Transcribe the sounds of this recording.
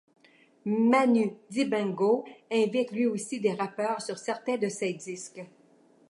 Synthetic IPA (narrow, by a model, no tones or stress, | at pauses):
manyd̪ibɛ̃ɡoɛ̃vit̪lɥiosid̪eʁapœːʁsyʁsɛʁt̪ɛ̃d̪əsed̪isk